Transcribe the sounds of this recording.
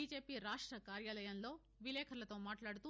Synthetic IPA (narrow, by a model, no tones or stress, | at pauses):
id͡ʒeːpiɾaːʂʈɾɐkaːɾjalɐjɐnlo̞ː | ʋilɛːkʰɐlɐt̪o̞ːmaːʈlaːɽut̪u